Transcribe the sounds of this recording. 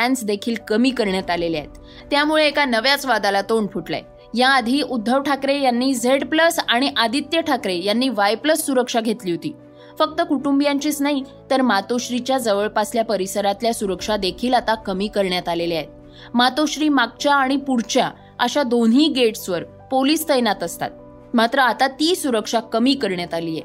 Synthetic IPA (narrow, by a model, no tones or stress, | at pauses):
æ̃nsd̪ekʰiːlkəmiːkəɾɳjat̪alelia̰ɦet̪ː | jamuɭeːkanəʋjat͡sʋad̪alat̪oɳɖpʰuʈla̰j | jaːd̪ʱiːʔud̪ʱːəʋʈʰakɾejanːiːd͡zʱeɽpləsaɽ̃iʔad̪ʱit̪jəʈʰakɾejanːiːʋajpləsːuɾəkʂaɡʱet̪liːɦot̪iː | fək̚t̪əkuʈumbjãɲt͡ɕiːt͡snaɦit̪əɾmat̪oɕɾit͡ɕjad͡zəʋəɭpasljapəɾisəɾat̪ljasuɾəkʂad̪ekʰiːlat̪akəmiːkəɾɳjat̪aleliaɦet̪̚ | mat̪oɕɾiːmak̚t͡ɕjaːɽ̃ipuɾt͡ɕja | əɕad̪onɦiːɡeʈsʋəɾ | poliːst̪əjnat̪əst̪a̰t̪̚ | mat̪ɾəat̪at̪iːsuɾəkʂakːəmiːkəɾɳjat̪aliːjḛ